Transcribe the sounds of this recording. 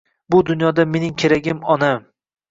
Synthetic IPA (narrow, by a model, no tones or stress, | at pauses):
bʊd̪ʊnjɒd̪ame̞nɪŋkʲʰe̞ɾaɡʲɪmɒnam